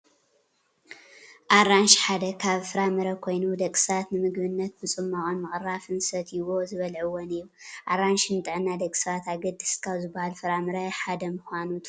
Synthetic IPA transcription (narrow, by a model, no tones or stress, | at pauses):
ʔaɾanʃħad̪ɐkʰaβfɨɾamɨɾɐkʰo̞jnud̪ɐkʼsat̪nɨmɨɡbɨnːɐt̪̚bɨt͡sʼɨmːaχʼonmɨkʼɨrafɨnsɐt̪ʰiwozɨβɐlʕɨwonɨjːuʔaɾanʃnɨt̪ʼɨʕɨnːad̪ɐkʼɨ̥sɐβat̪aɡɐd̪ɨ̥skʰaβzɨbːahalfɨɾamɨɾɐħad̪ɐmuxʷanut̪ʰ